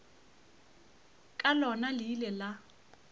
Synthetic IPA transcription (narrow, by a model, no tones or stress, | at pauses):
kʼalɔnalɪlɛla